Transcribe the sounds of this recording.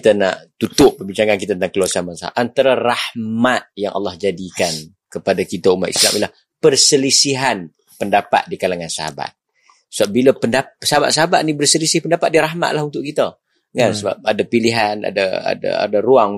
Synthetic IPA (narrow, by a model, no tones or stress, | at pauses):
it̪əna̰ʔt̪ut̪ʊʔpːəbit͡ʃaŋankit̪at̪ət̪aŋkəluasanmansaa̰ʔant̪aɾarahmat̪̚jaŋʔɑ̰lːɑhd͡ʒadikan | kəpadakit̪aumat̪ḭsla̰mʔḭlah | pərsəlisiɦan | pəndapa̰t̪̚dikalaŋansaha̰ba̰t̪̚ | səbabiləpəndapsaɦaba̰t̪̚saɦabat̪̚nibərsəlisɪhpəndapat̪̚diɾaɦma̰t̪̚laɦunt̪ʊʔkit̪ə | ŋansəba̰p̚adapiliɦana̰daa̰da̰a̰daɾuaŋ